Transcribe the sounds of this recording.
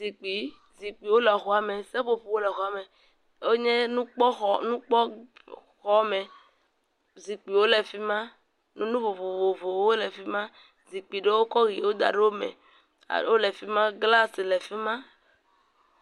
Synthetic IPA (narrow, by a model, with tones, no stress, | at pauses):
zi˨k͡pi˨˦ | zi˨k͡pi˨wo˦lɛ˨xo˨a˨mẽ˨se˦ɸo˦ɸo˨wo˦lɛ˨xo˨a˨me˨ | wo˦ɲɛ̃˦nũ˦k͡pɔ˦xɔ˨nũ˦k͡pɔ˦ | xɔ˦mɛ̃˨ | zi˨k͡pi˨wo˦le˨fi˦mã˦ | nũ˦nũ˦vo˨vo˨vo˨vo˨˦wo˦le˨fi˦mã˦ | zi˨k͡pi˨ɖe˦wo˦kɔ˦ɣi˨wo˦d̪a̰˨ɖe˦wo˦mḛ̃˨ | a̰˨wo˦le˨fi˦mã˦ɡla˦se˨lɛ˨fi˦mã˦